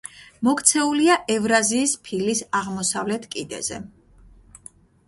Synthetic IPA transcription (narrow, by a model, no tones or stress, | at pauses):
mɔkʰt̪sʰɛuliaʔɛvɾaziːspʰilisaʁmɔsavlɛt̪ʰkʼid̪ɛ̰z̥ɛ̰